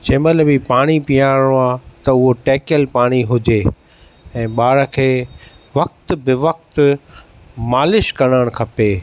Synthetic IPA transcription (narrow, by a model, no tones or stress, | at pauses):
d͡ʑɐ̃ːɪ̃mɐt̪ləbipaːɽ̃ipijaːɽ̃õaːt̪ɐʊɦoʈeːkəlpaːɽ̃iɦʊd͡ʑeː | ɛ̃ːɓaːɾə̆kʰeː | ʋɐk̚t̪bɪʋɐk̚t̪ | maːlɪʃkɐɽ̃əɽ̃kʰɐpeː